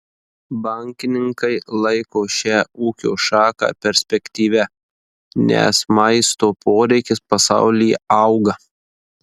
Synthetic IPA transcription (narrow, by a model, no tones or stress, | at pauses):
bɐˑŋʲkʲɪnʲɪŋkɐɪlˠɐɪkoːʃʲæːuːkʲo̰ːʃɑːkɑ̰ːpʲɛɾʲsʲpʲɛkʲt̪ʲiːʋʲɛ | nʲɛ̰smɐɪst̪oːpoːɾʲɛɪkʲɪspɐsɑ̰ˑʊlʲɪjɛ̰ɐʊɡɐ